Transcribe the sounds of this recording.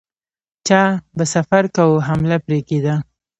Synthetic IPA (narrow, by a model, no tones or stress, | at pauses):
t͡ʃɑbasafaɾkawuɦamlapɾeked̪a